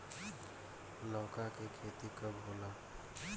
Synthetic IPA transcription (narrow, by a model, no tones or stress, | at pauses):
lɔːkakekʰeːt̪ikəbɦoːla